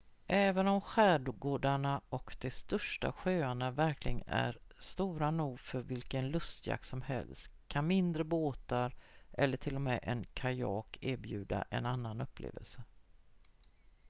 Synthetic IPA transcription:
ʔɛːvənɔmɧæːɖʊɡoːɖaɳaɔkd̪̥ɛst̪œʂʈa̰ɧøːaɳavæɾkʰlɪɡənæ̰ɾst̪uːɾanuːɡfœɾvɪlkənlɵst̪ja̰k̚t̪sɔmhɛ̰lst̪kʰanmɪnd̪ɾəboːt̪aɾʔɛlːəʈʰɪlːɔmɛʔɛnkʰajɑːkʰeːɾbjʉ̟ːd̪a̰ʔɛnanːanɵpʰːlḛːvə̰lsə

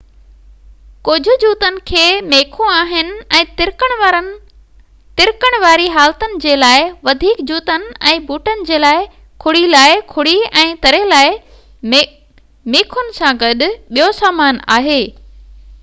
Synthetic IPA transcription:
kʊd͡ʑʱʊ̆d͡ʑuːt̪ənɪ̆kʰeːmeːkʰõaːɦɪnɪ̆ɛ̃ːt̪ɪɾkəɽ̃ɾən | t̪ɪɾkəɽ̃ʋaːɾiɦaːlt̪ənɪ̆d͡ʑeːlaːɪʋɐd̪ʱiːkd͡ʑuːt̪ənɪ̆ɛ̃ːbuːʈənɪ̆d͡ʑeːlaːɪ | kʰʊɽilaːɪkʰʊɽiɛ̃ːt̪ɐɾelaːɪ | meːkʰʊnɪ̆sãɡɐɗʊ̆ɓijosaːmaːna̰ːɦeː

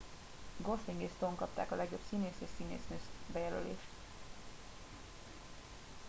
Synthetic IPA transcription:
ɡo̞sliŋɡeːst̪oŋkɒp̚t̪a̰ːkɒlɛɡjo̞psiːneːseːʃsiːnḛːsnøːsbɛjɛlø̰lḛːʃt̪

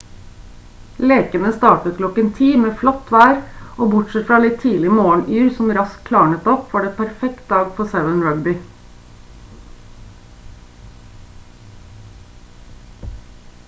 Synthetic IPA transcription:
leːkənəst̪ɑːʈəkʰlɔkənt̪ʰiːmeːflɔt̪ʋæːɾoːbʊʈsɛt̪fɾɑːlɪt̪ʰiːlɪmoːɳyːɾsɔmɾɑskkʰlɑːɳət̪ɔpʋɑːɖeːpʰæɾfɛkt̪̚d̪ɑːɡfɔsɛʋənɹœɡbɪ

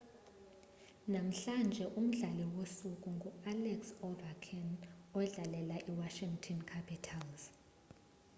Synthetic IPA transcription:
nam̩ɬand͡ʒʱɛʔum̩ɮaliwosuk̬ʼuŋɡʱualɛksɔvakʰɛnɔwɛɮalɛlaʔiwaʃiŋtʰɔnkʰapʰitʰalz̥

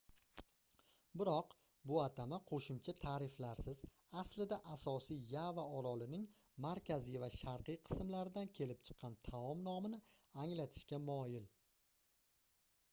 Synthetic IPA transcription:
bɪɾɒq | bʊat̪ʰamaqʰoʃɪmt͡ʃʰat̪ʰaːɾɪflaɾsɪz | aslɪd̪aʔasɒsijjavaɒɾɒlɪnɪŋ | maɾkʲazijvaʃaɾqɨjqʰɨ̥smlaɾɪd̪ankʲʰe̞lɪp̚t͡ʃʰɨ̥qʰːɑnt̪ʰaɒmnɒmɪnɪaŋlat̪ʰɪ̥ʃkʲamɒjɪl

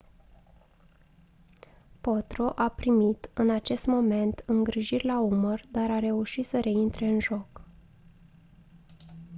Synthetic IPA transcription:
po̞t̪ɾo̞ʔapɾimit̪ɨnat͡ʃe̞st̪mo̞me̞nt̪ɨŋɡɾiʒirʲlaumərd̪aɾaɾe̞uʃit̪səɾe̞int̪ɾe̞ɨnʒo̞k

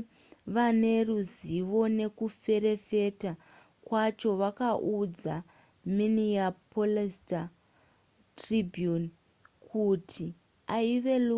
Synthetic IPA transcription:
ʋane̞ruziʋo̞ne̞kufe̞ɾe̞fe̞ta | kwat͡ʃo̞ʋakaʔud͡za̰ | miniapolesta | tribʱjun | kʰutʰi | aiʋe̞lu

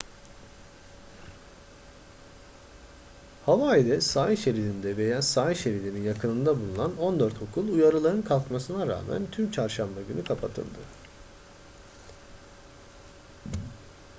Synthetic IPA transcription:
havaid̪ɛsaːjiʃeɾilʲind̪ɛve̞jaːsaːjiʃe̞ɾilʲininjakɯnɯnd̪abulˠunano̞nd̪øɾt̪ho̞kʰulˠujaɾɯlˠaɾɯnkʰalˠkmasɯnaɾa̰ːmæ̰nt̪ʰymt͡ʃʰaɾʃambaɟynykʰapʰat̪ʰɯ̰lˠd̪ɯ

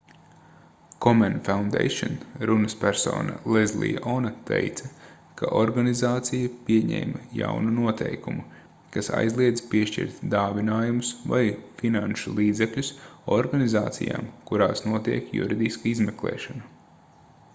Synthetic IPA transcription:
kɔmɛnfawnd̪ḛjʃɔnɾunɐspʲæɾso̰ːna̰lˠezlˠḭjʔɔnat̪ḛjt̪sɐ | kʰaʔɔɾɡanizaːt̪sijɐpiɛɲɛ̰ːmja̰wnunuɔt̪ʰɛjkumu | kasa̰jzlˠiɛd̪zpiɛʃcḭɾt̪d̪aːvinaːjumʊsva̰jfinanʃulˠiːd̪zeklʲusɔɾɡanizaːt̪sḭja̰ːmkuɾaːsnuɔt̪iɛkjṵɾid̪iskɐizmɛklˠɛ̰ːʃanu

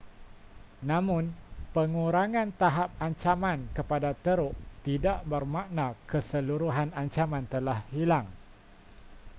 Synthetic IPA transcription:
nãmʊ̃npəŋũɾaŋãnt̪aɦap̚aɲt͡ʃamãnkəpadat̪əɾʊʔt̪idaʔbərmaʔnakəsəluɾuɦanaɲt͡ʃamãnt̪əlahhilaŋ

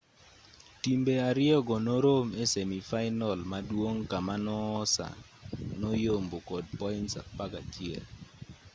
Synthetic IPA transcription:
timbeaɾɪɔɡɔnoɾomesemifaɪnɔlmadwoŋkamanɔːsa̰ | nɔjombokɔd̚pɔɪntsa̰pakat͡ʃɪɛ̰l

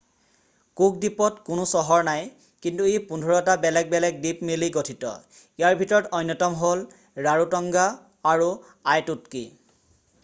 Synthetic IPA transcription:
kuk̚dipɔtkʊnʊsɔɦɔɹnaj | kintuejpundʱɔɹɔtabɛlɛk̚bɛlɛk̚dipmiliɡotʰitɔ̰ | ijaɹbʱitɔɹɔtɔjnːɔtɔmɦol | ɹaɹutɔŋɡaː | ɹu | ajtutkḭ

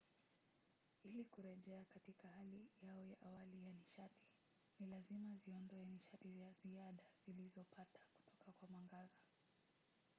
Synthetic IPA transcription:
ilikuɾɛʄɛakatikahalijaɔjaʔawalijaniʃati̥ | nilazimaziɔndɔjaniʃatizaziaɗaz̥ilizɔpatḁku̥tɔkakwamaŋɡaza

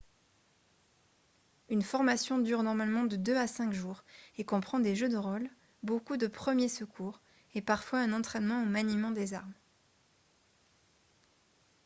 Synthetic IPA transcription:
ynfɔʁmasjɔ̃d̪yʁnɔʁmalmɑ̃d̪əd̪øasɛ̃kʒuːʁekɔ̃pχɑ̃d̪eʒød̪əʁɔl | bokud̪əpχəmjesəkʰuːʁ | epaʁfwaɛ̃nɑ̃t̪χɛnmɑ̃omanimɑ̃d̪ezaʁm

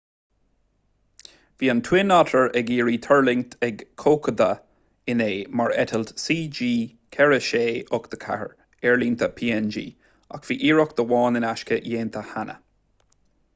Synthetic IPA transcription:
v̥iːənt̪ʰwɪnɑtʰəɹɛɡiːɹiːt̪ʰəɹlɪŋt̪ʰɛɡkʰoːkʰəd̪ə | ɪneːmaɹɛ̰t̪ʰəlt̪siːd͡ʒiː | kʰɛɹəʃeːʊkd̪̥əkʰa̰hə̰ɹ | ɛɹlint̪ʰəpʰiːɛnd͡ʒḭː | a̰kv̥iːʔiːɹɔkd̪̥əwɑːnɪnaʃkəjeːnt̪ʰəhanə̰

